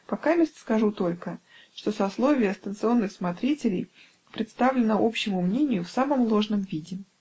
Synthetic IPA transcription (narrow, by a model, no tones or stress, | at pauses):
pɐkamʲɪsskɐʐut̪o̞lʲkə | ʂt̪o̞sɐslˠo̞vʲɪjəst̪ənt̪sɨo̞nːɨxsmɐt̪ɾʲitʲɪlʲɪ̰j | pɾʲɪt̪st̪avlʲɪnəʔo̞pɕːɪmʊmnʲenʲɪjʊfsaməmlˠo̞ʐnəmvʲidʲɪ